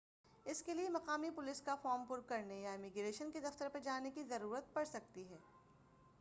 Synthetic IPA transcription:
ɪskeliemɐqaːmipʊlɪskafɔːɾmpʊɾkɐɾnejaɪmɪɡɾeːʃənked̪ɐft̪əɾpɐɾd͡ʒaːnekizɐɾuːɾət̪̚pɐɽsɐk̚t̪iɦɛː

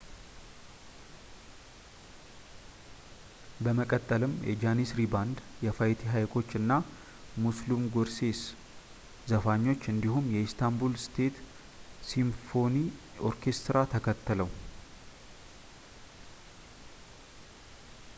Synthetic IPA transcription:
bəməkʼət̪ʼːəlɨmjʔɛ̰d͡ʒanisɾiband̪jɛfajt̪ʰiɦajkʰʼo̞t͡ʃːɨnːa | muslumɡo̞ɾse̞s | zəfaɲːo̞t͡ʃːɨnd̪ihumjɛist̪ʰambulst̪ʰe̞t̪ | simfo̞ni | oɾkʰe̞st̪ɾat̪ʰəkʰət̪ːɨləw

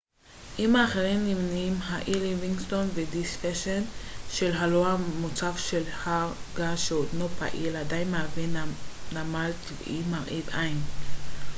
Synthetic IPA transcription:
ʔimaːχeʁimnːimnimɦaʔiliviŋɡsto̞nvedisfeʃenʃelɦaloamot͡safʃelhaɡaʃeod̪nopa̰ʔiladajnmaːvinnamaltv̰ʔimaʁʔidʔajn

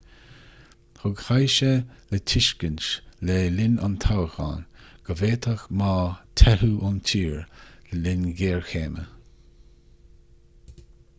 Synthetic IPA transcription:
hʊɡhajʃələtʰɪʃkənʃlelɪna̰nt̪ʰawəxa̰nɡ̥əveːt̪ʰəxmaːt̪ʰɛhuʔʊntʰiːɹləlɪnɡeːɹxeːmə

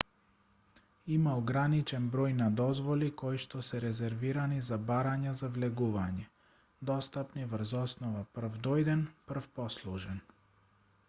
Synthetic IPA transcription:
imaɔɡɾanit͡ʃɛnbɾɔjnad̪ɔzvɔlikɔjʃt̪ɔsɛɾɛzɛɾviɾanizabaɾaɲazavlɛɡuvaɲɛ | d̪ɔst̪apnivɾ̩zɔsnɔvapr̩vd̪ɔjd̪ɛnpr̩fpɔslˠuʒɛn

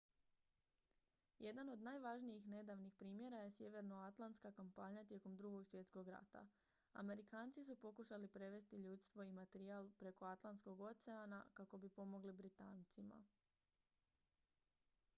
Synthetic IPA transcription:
je̞d̪ano̞d̪naːjʋaʒnijixne̞d̪aʋnixpɾiːmje̞ɾaje̞sje̞ʋe̞ɾno̞at̪lˠant̪skakampaɲat̪je̞ko̞md̪ɾuɡo̞ɡsʋje̞t̪sko̞ɡɾa̰t̪a̰ | a̰me̞ɾikaːnt̪sis̬upo̞kuʃalipɾe̞ʋe̞st̪iʎuːt̪st̪ʋo̞imat̪eɾiaːlˠpɾe̞ko̞at̪lˠant̪skoɡo̞t̪se̞ana̰kako̞bipo̞mo̞ɡlibɾit̪aːnt̪sima̰

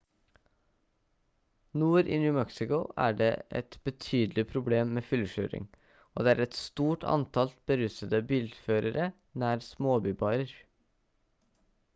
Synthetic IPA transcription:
nuːɾʔḭːnyʉːmɛksɪkʊæ̰ːɖḛːʔɛ̰t̪b̥ət̪ʰyːd̪lɪpʰɾʊbleːmːeːfʏlʃø̰ːɾɪ̰ŋ | oːd̪eːæːɾɛt̪st̪uːʈʰɑ̰nt̪ʰɑlb̥əɾʉsəd̪əbiːld̪føːɾəɾə | næːɾsmoːbyːbɑːɾəɾ

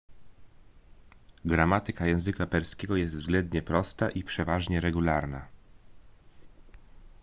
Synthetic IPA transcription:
ɡɾamat̪ɘkajɛ̃w̃zɘkapɛɾskʲɛɡɔjɛst̪vzɡlɛnd̪ɲɛpɾɔst̪aʔipʂɛvaʐɲɛɾɛɡulaɾna

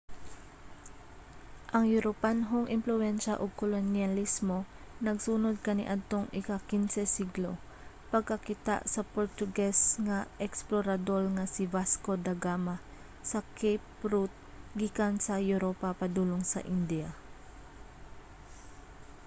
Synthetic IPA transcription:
ʔɐŋjʊɾopanɦoŋʔɪmplʊɛnʃɐʔoɡ̚kolonjɐlismo̞ | nɐɡsunod̪̚kɐnɪ̰ʔad̪̚t̪o̞ŋɪkɐkinsɛsiɡlo | pɐɡ̚kɐkit̪a̰ʔsɐpoɹt̪ʊɡɛsŋɐʔɛksploɾɐd̪olŋɐsɪvasko̞d̪ɐɡama | sɐkʰejpɾut̪̚ | ɡikɐnsɐjʊɾopapɐd̪uːloŋsɐ̰ʔind̪ia

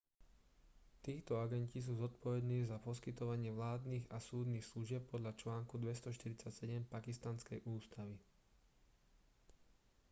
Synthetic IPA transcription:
t̪iːxt̪ɔaɡɛncis̬uːzɔt̪̚pɔʋɛd̪niːɣzapɔskit̪ɔʋaɲɪɛʋlaːd̪niːɣasuːd̪niːxsluʒɪɛp̚pːɔd̪ʎat͡ʃlaːŋkud̪ʋɛst̪ɔʃt̪iɾit͡sacsɛɟɛmpakist̪anskɛjʔuːst̪aʋi

